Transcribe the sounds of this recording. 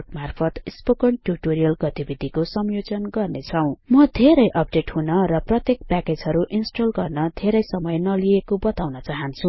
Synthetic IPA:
ʈmarpʰʌt̪ispokʌɳʈjuʈoɾijʌlɡʌt̪ibid̪ʱikosʌmjod͡zʌnɡʌrnet͡sʰʌw̃mʌd̪ʱeɾʌjʔʌp̚ɖeʈhunʌɾʌprʌt̪jek̚paked͡zɦʌɾuʔinsʈolɡʌrnʌd̪ʱeɾʌjsʌmʌjnʌliekobʌt̪awnʌt͡saɦʌnt͡sʰu

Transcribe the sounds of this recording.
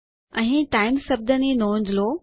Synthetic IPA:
ɛ̃ʈaːɪmsɐb̚d̪əninõːɲd͡ʑloː

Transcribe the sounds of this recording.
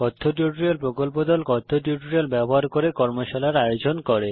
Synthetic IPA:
kɔt̪ʰːoʈuʈɾiolpɾokolp̬od̪ɔlkɔt̪ʰːoʈiuʈuɾialbɛboɦaɾkoɾekɔɾmoʃalaɾajod͡ʑonkɔɾe

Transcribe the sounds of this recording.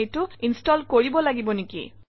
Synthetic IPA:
ejtʊinstɔlkoɹibɔlaɡibɔnikḭ

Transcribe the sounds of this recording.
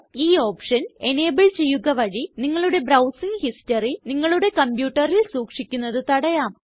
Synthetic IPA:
iːo̞ːpʂɐne̞ne̞ːbɐɭt͡ɕe̞jːuɣɐʋɐɻiniŋːɐɭuɽe̞brɐwsiŋɡhistɐriniŋːɐɭuɽe̞kɐmpjuːʈːɐrilsuːkʂikʲːunːɐðɨt̪ɐɽɐjaːm

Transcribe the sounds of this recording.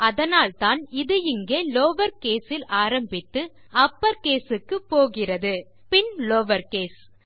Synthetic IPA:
ɐðɐnaːlt̪aːnɪðɯɪŋɡeːloːʋɐɾkeːsɪlaːɾɐmbɪt̪ːɯ | ɐpːɐɾkeːsɯkːɯpːoːɣɪrɐðɯ | pɪnloːʋɐɾkeːs

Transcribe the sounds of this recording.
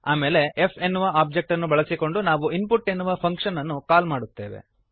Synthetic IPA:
aːme̞ːle̞ʔepʰenːuʋɐʔaːb̚d͡ʒek̚ʈɐnːubɐɭɐsiko̞ɳɖunaːʋuinpuʈːe̞nːuʋɐpʰɐŋkʂɐnɐnːukaːlmaːɽut̪ːe̞̰ːʋe̞̰

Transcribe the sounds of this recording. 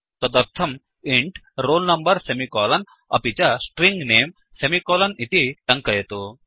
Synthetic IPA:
t̪ɐd̪ɐɾt̪ʰɐm | iɳʈ | ɾoːlnɐmbɐɾsemikɔːlɐn | ɐ̰pit͡ɕasʈɾiŋɡneːm | semikɔːlɐnit̪iʈɐŋkɐjet̪o

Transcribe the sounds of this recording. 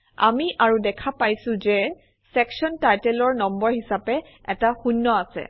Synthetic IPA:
a̰miʔaɹudɛkʰapajsʊ̃zɛ | sɛksɔntajtɛlɔɹnɔmbɔɹhisapɛ | ɛtaxunːɔasɛ̰

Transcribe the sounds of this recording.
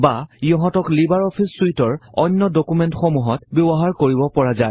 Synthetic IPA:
bajɔɦɔtɔklibaɹɔpʰisːuitɔɹɔnːɔdɔkumɛntxomuɦɔtbjɔbɔɦaɹkoɹibɔpɔɹazaj

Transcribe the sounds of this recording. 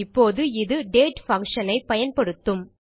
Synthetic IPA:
ɪpːoːðɯɪðɯɖeːʈfɐŋkʂɐnɐɪpɐjɐnpɐɽɯt̪ːɯm

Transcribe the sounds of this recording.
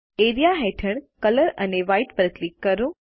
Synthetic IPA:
eɾijaɦeʈʰəɳkələɾəneʋaiʈpəɾəklikːəɾõ

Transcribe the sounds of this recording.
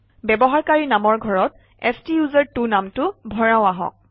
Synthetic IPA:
bɛbɔɦaɹkaɹinamɔɹɡʱɔɹɔt | ɛstijuzaɹtunamtʊbʱɔɹaʊ̃aɦɔ̰̃k̚

